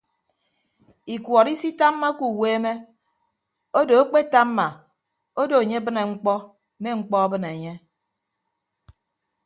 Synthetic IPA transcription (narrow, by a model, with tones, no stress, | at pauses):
i˨kwʷɔ˨ɾi˦si˦ta˦mː˦a˦ku˦˨weː˦me˦ | o˦do˨e˦k͡pe˦ta˦mː˦a˨ | o˦do˨e˨ɲe˦bɨ˦ne˨ŋ͡m̩˦k͡pɔ˦ | me˦ŋ͡m̩˦k͡pɔ˦a˦bɨ˦ne˨ɲe˦